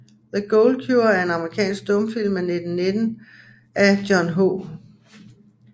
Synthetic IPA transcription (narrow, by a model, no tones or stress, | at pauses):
ðəɡ̥ɔʊlkʰjuɐæɐe̝nɑ̈məʁikʰɛ̰ːnsɡ̥̚d̥ɔ̽mfil̰mene̝d̥n̩ne̝d̥n̩ | ʔæd̥jɒnɦo̰